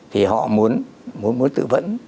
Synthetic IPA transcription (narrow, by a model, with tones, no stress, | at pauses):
t̪ʰi˨˩ɦɔ̰˧˨mu˨˦ən | mu˨˦ənmu˨˦ənt̪ɨ̰˧˨və̰˧˥n